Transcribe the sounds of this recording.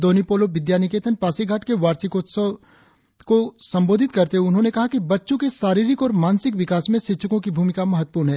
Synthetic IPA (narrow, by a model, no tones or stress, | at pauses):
d̪oːnipoːloʋɪd̪jaːnɪkeːt̪ʰənpaːsiɡʱaːʈkeʋaːɾsiko | kosɐ̃mboːd̪ʱɪt̪kɐɾt̪eɦʊnɦõnekɐɦakibɐtːʃõkeʃaːɾiːɾɪkɔːɾmaːnsɪkʋɪkaːsmẽsɪtːʃʰəkõkibʱuːmɪkamɐɦət̪̚ːə̥puːɾɳɦɛː